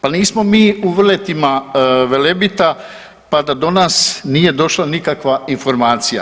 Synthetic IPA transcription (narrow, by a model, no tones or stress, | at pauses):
paniːsmo̞miːuʋr̩le̞t̪imaʋe̞lebit̪a | pad̪ad̪o̞naːsniːje̞d̪o̞ʃlanikakʋainfo̞ɾmaːt̪sija̰